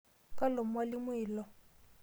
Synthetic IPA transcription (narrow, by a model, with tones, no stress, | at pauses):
kʼa˦lo˨m̩˦wa˦lɪ˦mʊ˦iː˨lɔ˨